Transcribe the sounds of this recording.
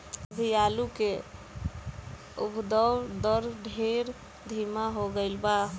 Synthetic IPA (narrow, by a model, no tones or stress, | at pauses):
əbʱijaluke | ṵbd̪əd̪əɾɖʱeɾ | d̪ʱimaɦoɡəɪlba